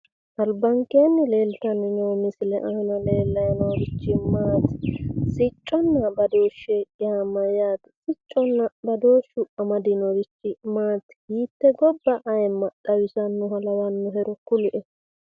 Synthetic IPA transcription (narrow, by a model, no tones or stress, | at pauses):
ʔɐlbɐŋkenːɪle̞ːlt̪ɐnːɪnoːmɪsɪlɛʔɐhɐnɐle̞ːlːɐjɐnoɾɪt͡ʃːɪmaːt̪sɪt͡ʃʼːɔnːɐbɐd̪oːʃːeɡɪhamɐjaːt̪sɪt͡ʃʼːɔnːɐbɐd̪oːʃʊʔɐmɐd̪ɪnoɾɪt͡ʃːɪmaːt̪hiːt̪ːɛɡɔbːɐʔɐjɛmːɐɗɐwɪsɐnːʊhɐlɐwɐnːʊɦɛɾɔkʊlʊʔɛ